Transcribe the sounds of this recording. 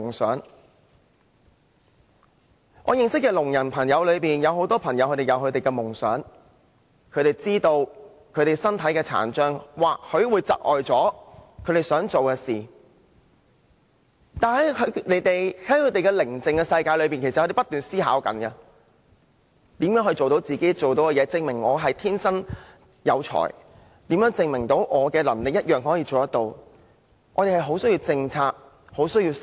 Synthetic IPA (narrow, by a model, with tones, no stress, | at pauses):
ŋsœ̰ː˨˥ŋ | ŋʔɔ̰ː˨˧jɪ˨ŋsɪ˥kːɛː˧lʊ˨˩ŋjɐ˨˩npʰɐ˨˩ŋjɐ˨˧wlɵ˨˧ɥpiː˨njɐ˨˧who˨˥wt̪ɔː˥pʰɐ˨˩ŋjɐ˨˧wʰkɵ˧t̪e˨jɐ˨˧wkʰɵ˨˧t̪e˨jkɛː˧mʊ˨˩ŋsœ̰ː˨˥ŋ | kʰɵ˨˧ɥt̪e˨jt͡siː˥t̪o˧w | kʰɵ˨˧ɥt̪e˨jsɐ˥nt̪ʰɐ˨˥jkɛː˧t͡sʰa̰ː˨˩nt͡ʃœː˥ŋwaː˨˩k̚hɵ˨˧ɥwuː˨˧jt͡sɐ̰˨k̚ʔɔ̰ː˨jt͡sɔː˨˥kʰɥt̪e˨jsœː˨˥ŋt͡so˨wkɛː˧siː˨˩ | t̪aː˨˩nhɐ˨˥jkʰɵ˨˧ne˨˧˥jt̪e˨jhɐ˨˥jkʰɵ˨˧˥t̪e˨jkɛ˧lɪ˨˩ŋt͡sɪ˨ŋkɛ˧sɐ˧jkaː˧jlɵ˨˧ɥp̬iː˨nkʰe˨˩sɐ˨ɔː˨˧˥e˨pɐ˥t̪yː˨˩nsiː˥ɦa̰ː˨˥wkɐ̰˨˥nkɐ˧ | t̪iː˨˥mjœː˨˥ŋhɵ˧jt͡so˨wt̪o˨˥wt͡siː˨ke˨˥t͡so˨wt̪o˨˥wkɛ˧jɛː˨˧t͡sɪ˧ŋmɪ˨˩ŋɔː˨˧ɦɐ˨jt̪ʰiː˥nsɐ˥n | jɐ̰˨˧wt͡ʃʰɔ̰ː˨˩j | t̪iː˨˥mjœː˨˥ŋt͡sɪ˨˧ŋmɪ˨˩ŋt̪o˨˧˥wʔɔː˨˧kɛː˧lɐ̰˨˩nlɪ˨k̚jɐ˥t̚jœː˨ŋɦɔː˨˥jiː˧t͡so˨wt̪ɐ˥t̚t̪o˧w | ʔɔ̰ː˨˧e˨˩ɦɐ˨˩jɦo˨˥wsjiː˧wt͡sɪ˧ŋt͡sʰaː˧k̚ | ho˨˥wsɵ˥ɥjiː˧